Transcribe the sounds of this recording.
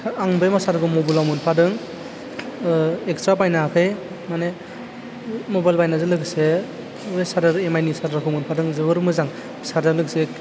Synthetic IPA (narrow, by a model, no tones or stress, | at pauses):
aŋbejmasaɾkʰɯmobulamɯnpʰadɯŋ | ekstɾapajnakʰɯj | mane | mobajlbajnazɯlɯkse | esaɾɯɾemajnisaɾaɾkʰɯmɯnpʰadɯŋzɯbɯɾmɯzaŋ | saɾdaɾlɯkse